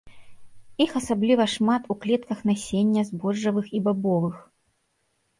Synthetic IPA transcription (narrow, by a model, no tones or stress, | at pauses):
ixɐsablʲivɐʂmat̪uklʲɛt̪̚kɐxnasʲenʲːɐzbɔʐːɐvɨxibabɔvɨx